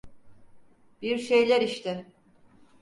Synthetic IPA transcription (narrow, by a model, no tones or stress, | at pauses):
biɾʃejlʲæɾiʃt̪ʰɪ